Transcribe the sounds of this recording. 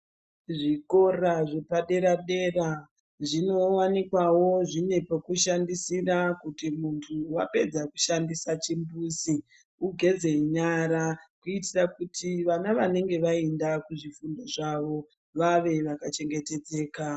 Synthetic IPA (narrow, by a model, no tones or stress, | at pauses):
ʐiko̞raʐe̞paɗe̞ɾaɗe̞ra | ʐino̞wanikwawo̞ʐine̞pokuʃandisirakutimuntʰuwape̞d͡zaku̥ʃandisat͡ʃimbuːsi | uɡʱe̞d͡ze̞iɲaɾakuitirakutʰiʋanaʋane̞ŋɡe̞ʋaendakuʐifundo̞ʐaʋo̞ | ʋaʋe̞ʋakat͡ʃe̞ŋɡe̞te̞d͡ze̞ːka